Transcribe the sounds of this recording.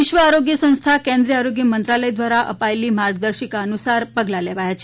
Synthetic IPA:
iʃʋəaɾoɡjəsə̃w̃st̪ʰakẽnd̪ɾiəaɾoɡjəmənt̪ɾaləjd̪ʋaɾaʔə̰paelimaɾɡd̪əɾʃikaənusaɾpəɡlaleʋajat͡ʃʰe

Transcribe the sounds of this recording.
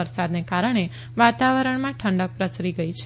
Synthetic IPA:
əɾsad̪nekaɾəɳ̃e | ʋat̪aʋəɾəɳmãʈʰəɳɖək̚pɾəsɾiɡəit͡ʃʰ

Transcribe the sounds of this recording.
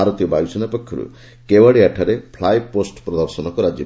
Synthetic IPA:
aɾɔt̪ijɔbajusɔnapɔkʰːɔɾṵ | kewaɽiaʈʰaɾepʰlajposʈpɾɔd̪ɔɾsɔnɔkɔɾad͡ʒji

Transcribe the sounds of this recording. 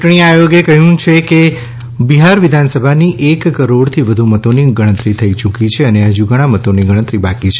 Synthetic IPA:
t͡ʃʈɳ̃iajoɡjekəɦjũt͡ʃʰeke | biɦaɾʋid̪ʱansəbʱaniʔekːəɾoɽt̪ʰiʋəd̪ʱumət̪oniɡəɽ̃ət̪ɾit̪ʰəit͡ʃukit͡ʃʰeəneɦəd͡ʒuɡəɽ̃amət̪oniɡəɽ̃ə̃t̪ɾibakit͡ʃʰ

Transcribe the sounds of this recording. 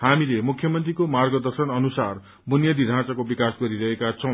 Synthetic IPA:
hamilemukʰjʌmʌnt̪rikomarɡʌd̪ʌrsʌnʌnusar | bunjʌd̪iɾʱãt͡sakobikasɡʌɾiɾʌɦekat͡sʰʌ̃w̃

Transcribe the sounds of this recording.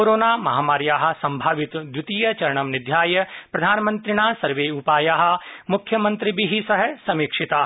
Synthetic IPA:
oːɾoːnaːmɐɦaːmaːɾjaːɦɐ̆sɐ̃mbʱaːʋɪt̪d̪jɪt̪iːjɐt͡ʃɐɾɐɳ̃ɐmnɪd̪ʱjaːjɐpɾɐd̪ʱaːnmɐ̃nt̪ɾɪnaːsɐɾʋeːupaːjaːɦɐ̆mʊkʰːjɐmɐ̃nt̪ɾibiɦisɐɦəsɐmiːkʂɪt̪aː

